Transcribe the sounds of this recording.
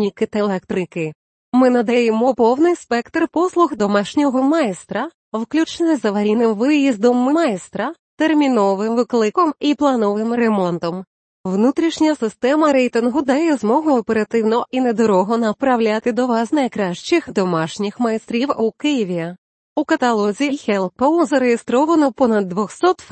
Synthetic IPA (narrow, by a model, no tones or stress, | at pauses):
nʲikɪt̪ɐlˠɛkt̪ɾɪkɪ | mɪnɐd̪ɐjemɔpɔwnɪjspɛkt̪rpɔslˠʊxd̪ɔmɑʃnʲɔɦɔmɑjst̪ɾɐ | wklʲut͡ʃnɔjzɐʋɐɾʲinɪmʋɪjizd̪ɔmːɪmɑjst̪ɾɐ | t̪ermʲinɔʋɪmʋɪklˠɪkɔmiplˠɐnɔʋɪmɾemɔnt̪ɔm | ʋnut̪ɾʲiʃnʲɐsɪst̪ɛmɐɾɛjt̪ɪnɦʊd̪ɐjjɛzmɔɦʊɔpeɾɐt̪ɪwnɔʔined̪ɔɾɔɦɔnɐpɾɐwlʲat̪ɪd̪ɔʋɑznɐjkɾɑʃt͡ʃɪxd̪ɔmɑʃnʲixmɐjst̪ɾʲiwukɪjiʋʲiɐ | ukɐt̪ɐlˠɔzʲixɛlˠpozɐɾejest̪ɾɔʋɐnɔpɔnɐd̪ːʋɔxsɔt̪